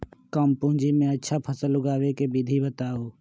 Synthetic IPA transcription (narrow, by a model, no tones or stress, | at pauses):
kəmpʊ̃ɦɪ̃d͡ʒiːmẽətːʃʰaːpʰəsəlʊɡaːʋekeːbid̪ʱibət̪aːoː